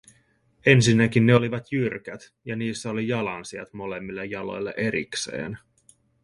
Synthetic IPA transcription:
e̞nsinːækinːeo̞liʋɑt̪jyrk̟æt̪ | jɑniːsːæo̞lijɑlɑnsiɑ̰t̪mo̞lemːilːejːɑlo̞̰jlːḛʔe̞ɾḭkse̞̰ːn

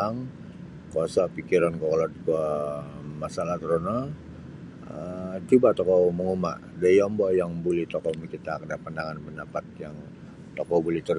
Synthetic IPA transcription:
aŋ | koasapikiɾankɔkɔlat̪̚kə | masalaht̪əɾona | ət͡ʃubat̪ɔkɔməŋuma̰ʔdajɔmbɔjaŋbolɛht̪ɔkɔmət͡ʃit̪akədapandaŋanpəndapat̪̚jaŋ | t̪ɔkɔbolɛht̪əɾ

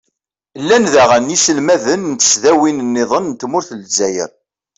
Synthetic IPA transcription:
lːænðæʁənjisəlmæðənnt̪ə̥sðæwinənːɪðˤənnt̪ːmʊɾθəlzːæjə̰ɾ

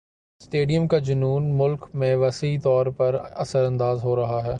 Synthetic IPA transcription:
sʈeːɖijəmkad͡ʒʊnuːnmʊlkmẽʋɐsit̪ɔːɾpɐɾɐsəɾɐ̃nd̪aːzɦoːɾɐɦaɦɛː

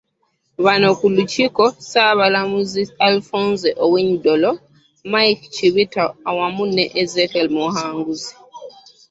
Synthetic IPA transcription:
βanokulucikosaβalamuzialfoːnzeʔoweɲidolo | majkt͡ʃiβitaːwamuneʔezekelmohaːŋɡuzi̥

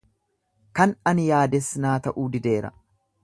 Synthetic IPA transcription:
kɐnɐnɪjaːd̪ɛsːɪnaːt̪ɐʔuːd̪ɪd̪e̞ːɾɐ̰

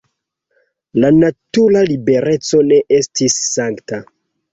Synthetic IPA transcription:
lanatulalibe̞ɾe̞t͡so̞ne̞ʔe̞stisːaŋkta

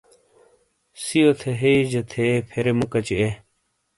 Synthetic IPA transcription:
sijot̪ʰeɦeid͡ʑɐt̪ʰepʰeɾemukɐt͡ɕie

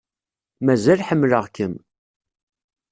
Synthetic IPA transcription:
mæzælħəmːləʁkəm

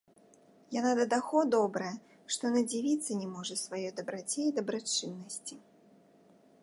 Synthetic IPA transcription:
janad̪ɐd̪axɔd̪ɔbɾɐjɐ | ʂt̪ɔnɐd͡zʲivʲit̪sːɐnʲɛmɔʐɐsvajɔjd̪ɐbɾat͡sʲɛid̪ɐbɾat͡ʂɨnːɐsʲt͡sʲi

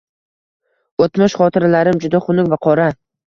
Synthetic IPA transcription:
ot̪mɪʃχɒt̪ʰɪɾalaɾɪmd͡ʒʊd̪aχʊnʊkʲvaqʰɒɾa

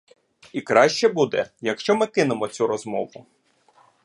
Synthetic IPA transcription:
ikɾɑʃt͡ʃɛbud̪ɛjɐkʃt͡ʃɔmɪkɪnemɔt͡sʲuɾɔzmɔʋʊ

